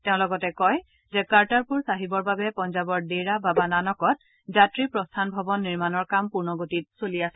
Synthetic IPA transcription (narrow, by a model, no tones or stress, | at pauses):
tɛʊ̃lɔɡɔtɛkɔj | zɛkaɹtaɹpuɹsaɦibɔɹbabɛpɔnzabɔɹdeɹababananɔkɔt̚ | zatɹipɹɔstʰanbʱɔbɔnːiɹmanɔɹkampuɹnɔɡotit̚soliasɛ